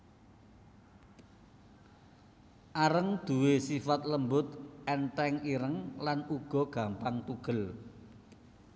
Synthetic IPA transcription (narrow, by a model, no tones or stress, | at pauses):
ʔaɾəŋd̪̥ṳwesifat̪̚ləmbʊt̪̚ʔɛnʈ̪ɛŋiɾəŋlanuɡ̥ɔ̤ɡ̥ä̤mpaŋt̪uɡ̥ə̤l